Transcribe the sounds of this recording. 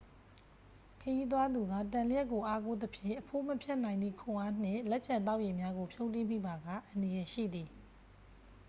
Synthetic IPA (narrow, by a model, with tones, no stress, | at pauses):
kʰəji˦t̪̬wa˦d̪u˨ɡa̰˦˨tã˨lə˦jɛ˦ʔkːo˨ʔa˦ko˦d̪əpʰjɪ̰̃˦˨ʔəpʰo˦məpʰjɛ˦ʔnã˨ɪ̃nd̪ðḭ˦˨kʰʊ̃˨ʔa˦n̥ɪ̃˦˨lɛ˦ʔt͡ɕã˨nt̪a˦ʊʔje˨mja˦ɡo˨pʰjo˦ʊ̃ntĩ˦˨m̥ḭ˦˨ba˨ɡa̰˦˨ʔə̃˨ndə˨jɛ˨ʃḭ˦˨d̪i˨